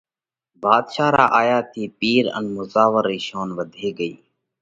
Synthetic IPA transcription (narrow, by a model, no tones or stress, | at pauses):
baːd̪ʃaːɾa̰ːʔaːjaːt̪ʰiːpiːɾə̰nmʊzaːʋəɾiːʃoːnʋəd̪ʱeːɡəiː